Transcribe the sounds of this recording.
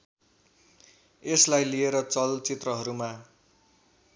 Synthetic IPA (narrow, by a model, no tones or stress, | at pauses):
eslajlieɾʌt͡sʌlt͡sit̪rʌɦʌɾuma